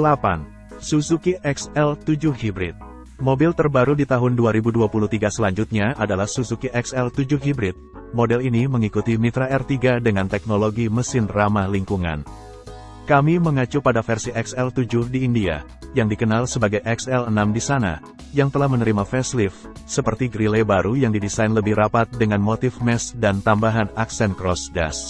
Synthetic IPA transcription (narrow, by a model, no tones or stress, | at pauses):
əlapa̰n | susukiʔɛksɛlt̪ud͡ʒʊhhibɾɪ̰t̪̚ | mobɪlt̪ərbaɾudit̪aɦʊnduaɾibuduapuluht̪iɡasəlaɲd͡ʒut̪̚ɲaʔadalahsusukiʔɛksɛlt̪ud͡ʒʊhɦibɾɪt̪̚ | modɛliniməŋikut̪imit̪ɾaʔɛrt̪iɡadəŋant̪ɛk̚noloɡiməsɪnramaliŋkuŋa̰n | kamiməŋat͡ʃupadafɛrsiʔɛksɛlt̪ud͡ʒʊhdiːndia̰ | jaŋdikənalsəbaɡajʔɛksɛlənamdisana̰ | jaŋt̪əlahmənəɾimafɛslif | səpərt̪iɡɾilɛbaɾujaŋdidisainləbɪhɾapat̪̚dəŋanmot̪ɪfmɛsdant̪ambaɦanaksɛnkɾɔsɡa̰s